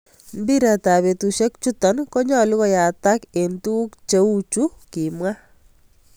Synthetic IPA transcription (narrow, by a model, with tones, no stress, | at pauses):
m˦bi˦ɾa˨ta˨βe˨tu˨ʃe˦k̚t͡ʃu˦tɔ˨nkɔ˦ɲɔ˦lu˦ɣɔ˦ja˨ta˦ke˨ntu˦kt͡ʃe˦u˦t͡ʃu˦ki˨mwa˦